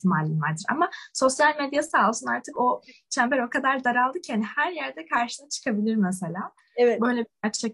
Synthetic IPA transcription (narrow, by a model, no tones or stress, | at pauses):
t̪ʰima̰lʲːinva̰ɾd̪iɾa̰maso̞sjalʲmed̪jasaːlˠsunaɾt̪ʰɯko̞t͡ʃʰambeɾo̞kad̪aɾd̪aɾalˠd̪ɯcʰɛnhæɾjæɾd̪ɛkʰaɾʃɯnat͡ʃʰɯ̥kʰabilʲiɾmɛse̞lʲaː | evɛbø̞jlʲebiat͡ʃt͡ʃʰak